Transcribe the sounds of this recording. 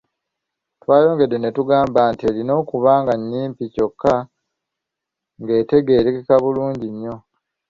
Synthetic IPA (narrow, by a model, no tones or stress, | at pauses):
twaːjo̞ːŋɡe̞dːe̞ne̞tuɡaːmbantie̞ːlino̞ːkuβaːŋɡaɲːiːmpico̞kʰːa | ŋɡe̞ːte̞ɡe̞ːɾekekaβuluːɲɟiɲːo̞